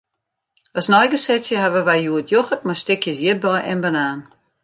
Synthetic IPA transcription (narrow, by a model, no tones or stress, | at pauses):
ɔsnɔjɡəsɛtjəhavəʋajjuətʰjoxətmajstɪkʰjəsjɪt̚bɔjʔɛnbənaːn